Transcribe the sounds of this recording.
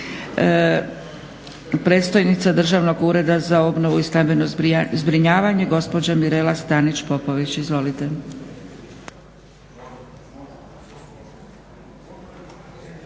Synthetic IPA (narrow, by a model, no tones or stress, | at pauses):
pɾe̞ːt̪st̪ojnit̪sad̪r̩ʒaʋno̞ɡuːɾe̞d̪azao̞bno̞ʋuist̪ambe̞nozbɾiɲaːʋaɲe̞ɡo̞spo̞d͡ʑamiɾelast̪anit͡ʃpo̞po̞ʋit͡ɕizʋo̞lit̪e̞